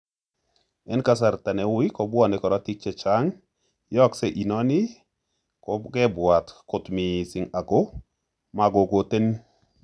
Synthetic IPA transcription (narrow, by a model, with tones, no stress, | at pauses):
ɛ˦nka˦sa˨ɾt̪a˨nɛ˨wi˦kɔ˨bwɔ˦nɛ˨kɔ˨ɾɔ˦ti˦k̚t͡ʃɛ˨t͡ʃa˦ŋ | jɔ˦kse˦ʔi˨nɔ˦nɪ˦ | kɔ˨ɡɛ˦bwa˨t̪kʊ˨t̪mɪ˨sɪ˨ŋa˨ɡo˦ | ma˨ɡo˨ɡo˨te˦n